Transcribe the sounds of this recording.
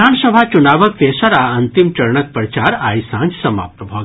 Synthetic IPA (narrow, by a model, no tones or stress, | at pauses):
aːɳsəbʱat͡ʃunaːʋək̚t̪eːsɐɾaɐnt̪imt͡ʃɐɾɳək̚pɾɐt͡ʃaːɾaːjsã̰nt͡ʃsɐma̰ːp̚t̪ɐbʱoːɡ